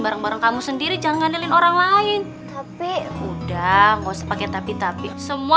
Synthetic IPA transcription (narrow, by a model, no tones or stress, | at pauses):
baɾəŋbaɾəŋkamusəndiɾid͡ʒaŋanilɪnoɾaŋlaɪn | t̪apiudahŋosəpakɛt̪apit̪apisəmua